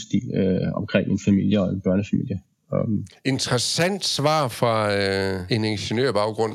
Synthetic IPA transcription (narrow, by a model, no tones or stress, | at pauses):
sd̥ḭːløɒ̽mkʰʁeŋ̰e̝nfæmil̰jəɒ̽enb̥ɶɐnəfæmḭl̰jə | e̝nt͡sʰʁɐsæn̰d̥sʋɑ̰̈ːfʁɑ̈ | e̝nenɕənøɐ̰b̥ɑ̈ʊɡ̥ʁɔ̽n̰